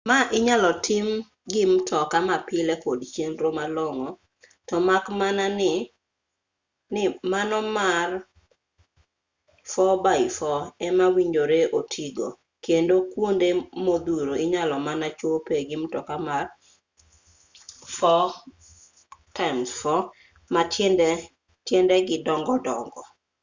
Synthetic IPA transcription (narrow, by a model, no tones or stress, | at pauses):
maʔɪɲalɔtʰɪm | ɡɪmtʰɔkamapɪlɛkodt͡ʃjenɾomalɔŋɔ | tɔmakmananɪ | nɪmanɔmar | fɔbaɪfɔɛmawiɲd͡ʒoɾeʔotʰiɡo̰ | kendokwondemod̪uɾoɪɲalɔmanat͡ʃopeɡɪmtɔkamar | fɔ | tamsfɔ | matɛndɛ | tjɛndɛɡɪdɔŋɡɔdɔ̰ŋɡɔ